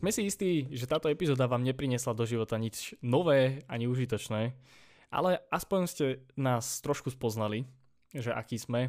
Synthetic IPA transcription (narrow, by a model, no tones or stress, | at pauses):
z̥mɛsiist̪iːʒɛt̪aːt̪ɔɛpizɔːd̪aʋaːmɲɛpɾiɲɛslad̪ɔʒiʋɔt̪aɲit͡ʃnɔʋɛːaɲiuʒit̪̬ɔt͡ʃnɛː | ʔa̰lɛaspɔɲscɛnaːst̪ɾɔʃkuspɔznali | ʒɛʔa̰kiːzmɛ